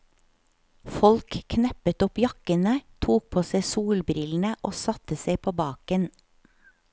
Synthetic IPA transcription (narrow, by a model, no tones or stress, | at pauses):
fɔlkʰːnɛpət̪ɔpjɑkənət̪ʰuːk̚pʰoːseɪsuːlbɾɪln̩əʔoːsɑt̪əseɪpʰoːbɑːkən